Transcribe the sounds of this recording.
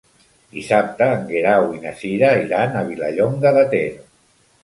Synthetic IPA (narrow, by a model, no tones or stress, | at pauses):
d̪isap̚t̪aːŋɡeɾawinasiɾaiɾanaβilaʎoŋɡaðat̪eɾo